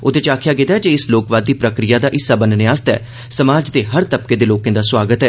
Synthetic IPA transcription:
ʊd̪ẽːt͡ʃaːkʰɪjaːɡɪd̪aːɛd͡ʒeːɪsloːkʋaːd̪ːiːpɾəkɾɪjaːd̪aːʔɪsaːbənneaːst̪ɛ̰ː | səmaːd͡ʒd̪eːɦəɾt̪əp̚keːd̪eːloːkẽːd̪aːswaːɡət̪ɦɛː

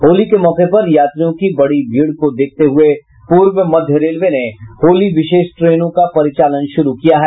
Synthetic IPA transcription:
ɦoːlikemɔːqepɐɾjaːt̪ɾijõkibɐɽibʱiːɽkod̪eːk̚ʰt̪eɦʊe | puːɾwəmɐd̪ʱjəɾeːlʋenehoːliʋɪʃeːʃʈɾeːnõkapɐɾɪt͡ʃaːlənʃʊɾukijaɦɛː

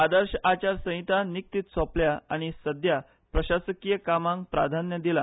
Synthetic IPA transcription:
ad̪əɾɕat͡ɕaɾsə̃ɦit̪anik̚t̪iːt̪sɔpljaaɽ̃isəd̪ja | pɾəɕasəkijəkamãŋk̚pɾa̰d̪ʱanjəd̪ila

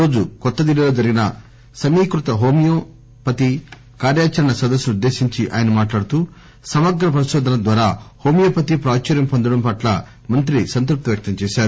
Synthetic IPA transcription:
o̞ːd͡ʒukɔt̪ːɐd̪ilːɐlo̞ːd͡ʒɐɾiɡinɐ̰ | sɐmiːkɾut̪ɐɦo̞ːmijoː | pɐt̪i | kaːɾjaːt͡ʃɐɾɐɳɐsɐd̪ɐsːuniud̪ːe̞ːsiɲt͡ʃiʔa̰ːjɐnɐmaːʈlaːɽut̪uː | sɐmɐɡɾɐp̬ɐɾiʃɔːd̪ʱɐnɐd̪ʋaːɾaːho̞ːmijoːpɐt̪ipɾaːt͡ʃɐɾjɐmpond̪ɐɽɐmpɐʈlɐ̰ | mɐnt̪ɾisɐnt̪ɾup̚t̪iʋjɐk̚t̪ɐmt͡ʃɛːʃaːɾu

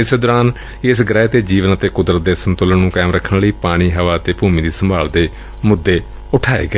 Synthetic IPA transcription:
ɪsd̪ɔːɾaːn | ɪsɡəɾɛːt̪eːd͡ʒiːʋənət̪eːkʊd̪ɾət̪̚d̪eːsənt̪ʊlənnũːkɛːmɾəkʰːənləiːpaːɽ̃iːɦəʋaːt̪eːpuːmĩːd̪iːsəmbʱaːld̪eː | mʊd̪ːeː | ʊʈʰaːḛːɡəɛː

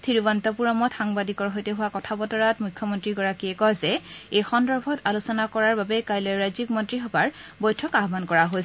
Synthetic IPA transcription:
tʰiɹibɔntɔpuɹɔmɔtxaŋbadikɔɹɦojtɛɦʊwakɔtʰabɔtɔɹatmukʰːɔmɔntɹiɡɔɹakiɛkɔzɛejxɔndɔɹbʱɔtalusɔnakɔɹaɹbabɛkajlɔɹajzikmɔntɹixɔbaɹbɔjtʰɔkaɦbankɔɹaɦojs

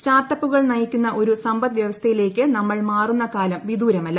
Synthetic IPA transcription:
staːrʈːɐpːuɣɐɭnɐjikʲːunːɐʔo̞ɾusɐmbɐt̪ʋjɐʋɐst̪ʰɐjile̞ːkʲːɨnɐmːɐɭmaːrunːɐkaːlɐmʋid̪uːɾɐmɐlːɐ

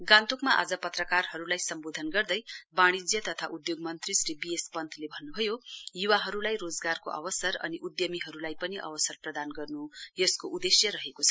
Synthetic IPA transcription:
ɡãnt̪okmaʔa̰d͡zʌpʌt̪rʌkarɦʌɾulajsʌmbod̪ʱʌnɡʌrd̪ʌjbaɽ̃id͡zjʌt̪ʌt̪ʰaʔud̪joɡmʌnt̪risribiespʌnt̪ʰlebʱʌnːubʱʌjojuwaɦʌɾulajrod͡zɡarko̰ʔʌ̰bʌsʌrʌ̰niʔud̪jʌmiɦʌɾulajpʌniʔʌ̰bʌsʌrprʌd̪anɡʌrnujʌskoʔud̪esjʌɾʌɦekot͡sʰʌ

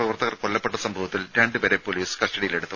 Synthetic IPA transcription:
rɐʋɐrt̪ɐɣɐrkoɭːɐpːeʈːɐsɐmbʱɐʋɐt̪ːilɾeːɳɖɨpeɾepːoliːsɨ̥kɐsʈɐɽijileɽut̪ːɐ

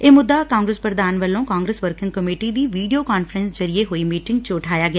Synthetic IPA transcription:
eːmʊd̪ːaːkãːŋɡɾəspɾəd̪aːnʋəlːõːkaːŋɡɾəsʋəɾkɪ̃ŋɡ̚kəmeːʈid̪iːʋiːɖijoːkaːnfʰəɾənsd͡ʒəɾieɦoːiːmiːʈɪŋɡ̚t͡ʃoːʈʰaːjaːɡɪa

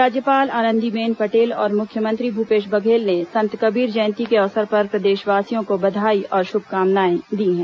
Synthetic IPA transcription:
ɾaːd͡ʒjəpaːlaːnə̃nd̪ibeːnpɐʈeːlɔ̰ːɾmʊkʰjəmə̃nt̪ɾibʱupeːʃ̬bɐɡʱeːlnesɐ̃nt̪kɐbiːɾd͡ʒɐ̃ːnt̪ikeɔːsəɾpɐɾpɾɐd̪eːʃʋaːsijõkobɐd̪ʱaːiʔɔːɾʃʊbʱkaːmnaːẽd̪iːɦɛ̃ː

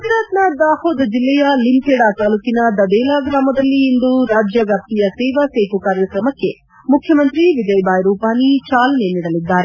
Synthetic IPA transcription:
ɐt̪iɾaːt̪naːd̪aːhoːd̪ɐd͡ʒilːɛjɐlimpɛːɽaːt̪aːlukinad̪ɐd̪ɛːlaːɡɾaːmɐd̪ɐlːiːnd̪uɾaːd͡ʒjɐɡap̚t̪ijɐsɛːʋɐseːɦukaːɾjɐkɾɐmɐkːe̞ | mukʰjɐmɐnt̪ɾiʋid͡ʒɐjbaːjɾuːpaːnit͡ʃaːlɐneniːɽɐlid̪ːaːɾe

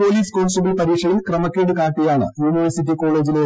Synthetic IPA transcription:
po̞ːliːskoːɳsubilpɐɾiːʂɐɽilkrɐmɐkːeːɽɨkaːʈːijaːɳɨ̰juːniʋɐrsitːiko̞ːɭe̞ːd͡ʑile

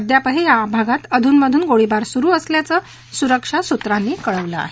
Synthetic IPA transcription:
d̪japəɦejabʱaɡat̪əd̪ʱuːnməd̪ʱuːnɡoɭibaɾsuɾuːəsljat͡səː | suɾəkʂasut̪ɾanːiːkəɭəʋləa̰ɦe

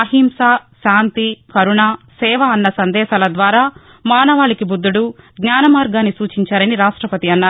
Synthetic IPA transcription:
ɐɦimsaːʃaːnt̪ikɐɾuɳaːsɛːʋaːnːɐsɐnd̪ɛːʃaːlɐd̪ʋaːɾaː | maːnɐʋaːɭikibud̪ːuɽuɡɲaːnɐmaːɾɡaːnːisuːt͡ʃiɲt͡ʃaːɾɐniɾaːʂʈɾɐpɐt̪iɐnːaː

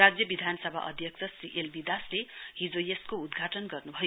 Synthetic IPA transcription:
ad͡zjʌbid̪ʱanʌsʌbʱa̰ʔʌ̰d̪ʱjʌk̚t͡sʰʌsriʔelbid̪asleɦid͡zojeskoud̪ɡʱaʈʌnɡʌrnubʱʌjo

